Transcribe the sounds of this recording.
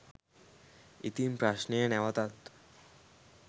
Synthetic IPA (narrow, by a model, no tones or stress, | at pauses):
it̪impɾaɕnijenɛʋat̪at̪